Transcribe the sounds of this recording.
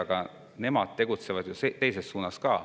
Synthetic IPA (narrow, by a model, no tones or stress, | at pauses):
ɑɡ̥ɑ | ne̞mɑd̪̥̚t̪e̞ɡ̥ut̪se̞vɑd̪juset̪e̞jse̞ssuːnɑskɑː